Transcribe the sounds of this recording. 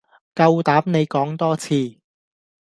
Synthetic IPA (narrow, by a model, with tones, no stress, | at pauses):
kɐ˧wt̪aː˨˥p̚ne˨˧jkɔː˨˥ŋt̪ɔː˥t͡sʰiː˧